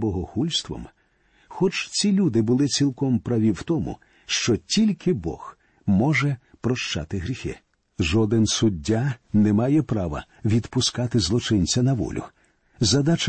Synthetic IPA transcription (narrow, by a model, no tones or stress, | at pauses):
bɔɦɔxulʲst̪ʋɔ̰m | xɔt͡ʃt͡sʲilʲud̪ɪbʊlˠɪt͡sʲilˠkɔmpɾɐʋʲiwt̪ɔmʊ̰ | ʃt͡ʃɔtʲilʲkʰɪbɔ̰x | mɔʒɛpɾɔʃt͡ʃa̰t̪ɪɦɾʲixɪ̰ | ʒɔd̪ɪnsʊdʲːanɛmɑjɛpɾɑʋɐ̰ | ʋʲid̪pʊskɑt̪ɪzlˠɔt͡ʃɪnʲt͡sʲɐnɐʋɔ̰lʲʊ̰ | zɐd̪at͡ʃ